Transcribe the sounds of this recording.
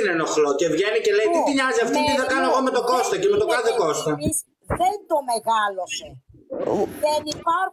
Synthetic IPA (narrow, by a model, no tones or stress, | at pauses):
nenoxloce̞vʝe̞nicelejt̪it̪iɲɐziɐft̪it̪iθɐkɐnoeɣomet̪o̞ko̞st̪ocemet̪okɐθeko̞st̪ois | ðend̪omeɣɐlose | ðenipɐɾ